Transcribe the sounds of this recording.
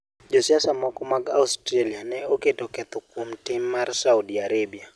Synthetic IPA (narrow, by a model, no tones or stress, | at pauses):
d͡ʒɔsiasamwɔkɔmaɡa̰ustɾalianɛoketɔkɛt̪ɔkomtɪmːarsaudiaɾebia